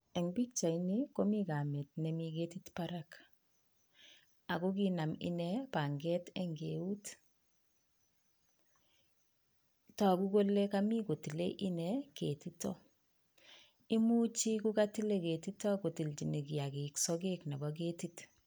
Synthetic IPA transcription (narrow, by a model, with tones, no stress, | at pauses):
ɛ˨ŋbi˦kt͡ʃa˨ini˦ko˦mi˦ka˨me˨t̚nɛ˨mike˦titpa˦ɾa˦k | a˨ku˦ki˦na˨mḭ˦nɛ˦pa˨ŋɡɛ˦tɛ˦ŋɡe˨u˦t | tɔ˨ku˦ko˦lːe˦ka˦mi˦ko˨ti˨le˦ʔi˦nɛke˨titɔ˦ | i˦mu˦t͡ʃi˦ku˦ka˦ti˦le˦ke˨ti˦tɔ˦ko˨ti˨lti˨ne˨ki˨a˨ki˨ksɔ˦ɡe˦kna˨bɔ˦k̬e˦tit